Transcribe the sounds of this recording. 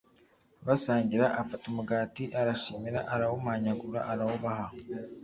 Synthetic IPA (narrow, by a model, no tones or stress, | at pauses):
βasaːɲɟiɾaʔafatumuɡaːtiʔaɾaʃimiɾa̰ʔaɾawomaɲaɡuɾa̰ʔaɾawoβaɦa